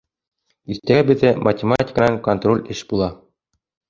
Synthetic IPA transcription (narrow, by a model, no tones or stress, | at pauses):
iɾt̪æɡæbɘ̆ðæmʔɐtʲɪmatʲɪ̥knɑŋkont̪ro̞lʲɘʃbulˠɑ